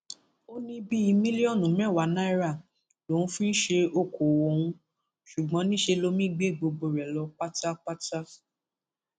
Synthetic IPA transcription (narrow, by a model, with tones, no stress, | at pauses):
o˦nĩ˧bi˦i˧mĩ˦li˦ɔ̃˦˨nũ˨˦mɛ̃˦˨wa˨˦nã˦i˦ɾa˦˨ | lõ˨˦fĩ˦n̩˦ʃe˧o˦˨ko˨wo˨˧˨hũ˧ | ʃu˨ɡ͡bɔ̃˨˦nĩ˦ʃe˧lo˦mĩ˦ɡ͡be˦˨ɡ͡bo˧ɡ͡bo˧˨ɾɛ˨lɔ˧k͡pa˦ta˦k͡pa˦ta˦